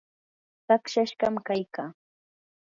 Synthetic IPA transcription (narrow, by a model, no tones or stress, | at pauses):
t̪akʃaʃɢɑmkajkaː